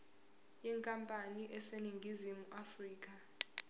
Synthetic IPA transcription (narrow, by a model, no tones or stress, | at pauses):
jɛŋkʼampʼaniʔɛseniŋɡʱizimuʔafriːk̬ʼa